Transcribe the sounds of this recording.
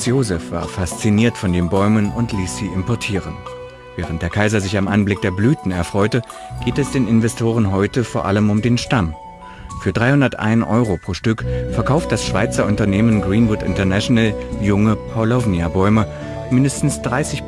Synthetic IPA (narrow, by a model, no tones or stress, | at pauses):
sjoːzɛfv̥a̰ːɐfast͡siniːɐtfɔndeːnbɔʏmənʊntʰliːsz̥iːɪmpɔɐtʰiːʁən | vɛːʁ̞ənt̚d̥eːɐkʰaɪzɐzɪçamʔanblɪk̚d̥eːɐblyːtn̩ɛɐfʁ̥ɔʏtə | ɡ̥eːtɛsd̥eːnɪnvɛstʰoːʁ̞ənɦɔʏtəfoːɐʔaləmʊmdeːnʃtam | fyːɐdʁaɪhʊndɐtʔa̰ɪnʔɔ̰ʏʁopʁ̥oːʃtʏkfɛɐkʰaʊft̚d̥asʃv̥aɪt͡sɐʊntɐneːmənɡʁiːnvʊtɪ̰ntɐnɛʃonaljʊŋəpʰaʊlɔvniabɔʏmə | mɪndəstn̩sd̥ʁaɪsɪç